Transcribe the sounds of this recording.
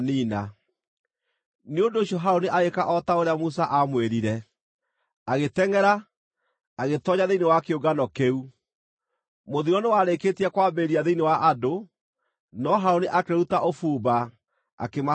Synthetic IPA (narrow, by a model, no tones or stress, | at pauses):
niːna | neondoːɕjɔɦaoneʔaɣekaʔɔtaoɾeamusaʔamweɾiɾɛ | aɣetɛŋɛɾa | aɣetɔɲaðeinewakeoɡanɔkeu | moðiɾɔnewaɾeketiɛkwaːbeɾiaðeinewaʔado | nɔɦaoneʔakeɾutaʔofuːba | a̰kema